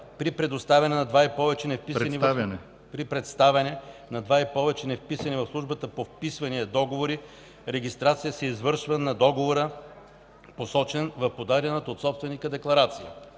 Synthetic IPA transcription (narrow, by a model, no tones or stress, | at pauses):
pɾipɾɛd̪ost̪avʲɐnɛnɐd̪vaipɔvɛt͡ʃɛnɛfpisɐnivvʲnɛ | pɾipɾɛt̪st̪avʲɐnɛnɐd̪vaipɔvɛt͡ʃɛnɛfpisɐnivɐfslˠuʒbət̪əpofpisvɐniəd̪ɔɡovoɾi | ɾɛɡist̪ɾat̪sijəsɛizvɤɾʃvənɐd̪ɔɡovoɾə | posɔt͡ʃɛnvɐfpod̪aɾʲjɐnət̪ot̪sɔpst̪vɛnikəd̪ɛklˠɐɾat̪sijə̰